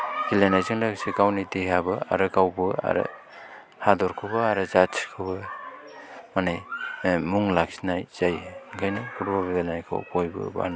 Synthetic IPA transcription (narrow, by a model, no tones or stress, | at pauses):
ɡ̥ilenajzɯŋlaksiɡawnideɦabɯa̰ɾɯɡawbɯa̰ɾɯ̰ | hadɔɾkʰɯbɯaɾɯzat͡ʃʰkʰɯbɯ | manajmuŋlak̚sinajz̥ajɡajnɯpʰuɾbɔbibelnajkʰɯ̰wkojbɯ̰ba̰n